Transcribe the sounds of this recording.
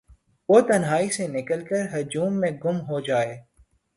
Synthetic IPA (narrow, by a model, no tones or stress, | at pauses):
ʋoːt̪ɐnɦaːisenɪkəlkəɾɦʊd͡ʒuːmːẽɡʊmɦod͡ʒaːeː